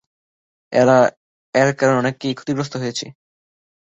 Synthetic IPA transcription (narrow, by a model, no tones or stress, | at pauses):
ɛ̰ɾa | ɛɾkaɾonɔnekːejkʰot̪iɡɾos̬t̪oɦojet͡ɕʰe